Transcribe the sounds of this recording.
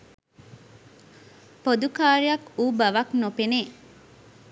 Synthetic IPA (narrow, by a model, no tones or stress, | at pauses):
pod̪ukaːɾijɐkuːbɐʋɐknopene